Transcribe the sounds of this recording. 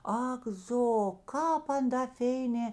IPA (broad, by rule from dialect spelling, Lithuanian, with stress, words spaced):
ˈɐk ˈzoː kɑːp ˈɐn dɐ ˈfʲeːɪnʲeː